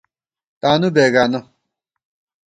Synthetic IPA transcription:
t̪aːnubeːɡaːno

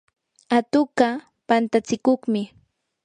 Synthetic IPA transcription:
at̪ʊka | pant̪at͡sɪkoχmɪ

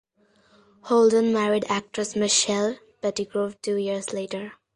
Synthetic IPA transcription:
holdə̃nmæɾiɖæk̚ʈɹəsmɪʃɛl | pɛʈiɡɾoʋʈuːjiɾzleːʈəɾ

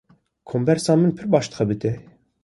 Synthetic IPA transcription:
kʰombɛɾsɑːmɨnpʰɨɾbɑːʃt̪xɛbɨt̪ɛ

